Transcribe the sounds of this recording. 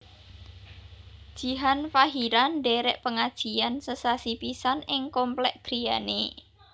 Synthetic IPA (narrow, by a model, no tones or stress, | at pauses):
d̥ʒ̥i̤ɦanfaɦiɾanɖeɾɛʔpəŋad̥ʒ̥i̤ansəsasipisanɪŋkomplɛʔɡ̥ɾijane